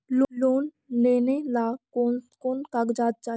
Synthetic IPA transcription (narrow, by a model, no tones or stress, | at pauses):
lloːn | leːnelaːokoːnkaɡd͡ʒaːt̪̚t͡ʃa